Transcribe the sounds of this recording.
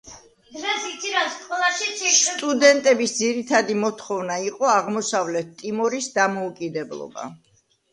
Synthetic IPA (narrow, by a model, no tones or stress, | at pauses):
d̪ɾɛsit̪sʰiɾasqʼwɛlˠaʃist̪ʼud̪ɛnt̪ʼɛbisd̪ziɾit̪ʰad̪imɔt̪ʰχɔvnaiqʼɔaʁmɔsavlɛt̪t̪ʼːimɔɾisd̪amɔukʼid̪ɛblˠɔ̰ba̰